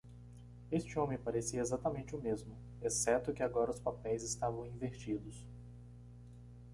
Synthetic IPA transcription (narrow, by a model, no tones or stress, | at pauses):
est͡ʃɪõmẽj̃paɾesiɐezat̪ɐmẽnt͡ʃɪʊmezmʊ | esɛt̪ʊkɪaɡɔɾɐʊspapɛjzɪst̪avɐ̃w̃ĩveɾt͡ʃid̪ʊs